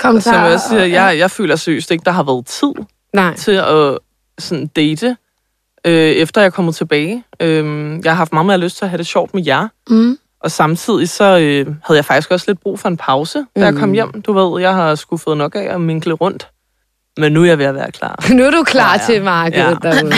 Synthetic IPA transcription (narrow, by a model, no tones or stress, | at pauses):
kʰsɒmjɑɒssiːɐjɑɪjɑ̈ɪfø̰ːlɐsø̰sd̥e̝ɡ̥əd̥ɑ̈ɦɑ̈ʋæːɐð̩ˠt͡sʰið̰ˠ | t͡sʰe̝ɒ̽ | sɒ̽nd̥eɪd̥ə | øefd̥ɐjɑ̈ɪkʰɒ̽m̰ð̩ˠt͡sʰe̝b̥ɛːɪømjɑɦɑ̈fd̥mɑ̈ːð̩ˠmeɐløsd̥̚t͡sʰe̝ɐɦæɾ̥e̝ɕɒ̰ʊ̰d̥mejæɐ | ʔɒ̽sɑ̈mt͡sʰið̰ˠisɒ̽øhæðˠjɪfɑ̈ɡ̥isɡ̥ɒ̽sle̝d̥̚b̥ʁṵːfɒ̽e̝npʰɑ̈ʊsəd̥æjɑ̈kʰɒ̽m̰jem̰d̥uʋe̝ð̞̰ˠjɑ̈ɪhɑ̈sɡ̥ufð̩ˠnɒ̽ɡ̥æɒ̽me̝ŋ̰ɡ̥ləʁɔ̽n̰d̥ | menːujɑ̈ɪʋe̝jɑʋæːɐkʰlɑ̰̈ːnuɐd̥ukʰlɑ̰̈ːt͡sʰemɑːɡ̥ð̩